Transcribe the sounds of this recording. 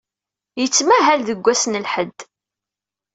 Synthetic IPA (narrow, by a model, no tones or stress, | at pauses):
jət͡sːmæɦælðəɡʷːæsnəlħəd̪ː